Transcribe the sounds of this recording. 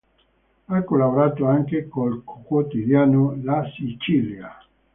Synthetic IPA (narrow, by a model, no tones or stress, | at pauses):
akolaβoɾat̪oaŋkekolkʰokwot̪iðjanolasit͡ʃilja